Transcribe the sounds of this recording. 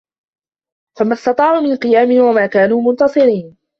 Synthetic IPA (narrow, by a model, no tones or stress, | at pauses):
famast̪ɑt̪ˤɑːʕumɪnqɨjaːmɪnwamaːkaːnuːmʊnt̪ɑsˤɨɾiːn